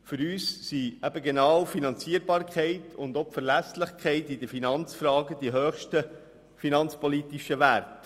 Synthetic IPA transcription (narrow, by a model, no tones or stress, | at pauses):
fʏɾyːssiæbəɡenɑːwfinɑnt͡siəɾbɑːɾkʰχɛɪtʰʊnd̪ɔpfəɾlæslɪχkχɛɪtɪd̪əfinɑnt͡sfɾɑːɡəd̥iɦøːχʃtə | finɑnt͡spɔlit̪iʃəʋært